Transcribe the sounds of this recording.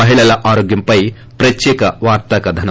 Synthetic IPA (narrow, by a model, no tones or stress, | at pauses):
ɐɦiɭɐlɐʔaːɾoːɡjɐmpɐj | pɾɐt̪jɛːkɐʋaːɾt̪ɐkɐd̪ʱɐnɐ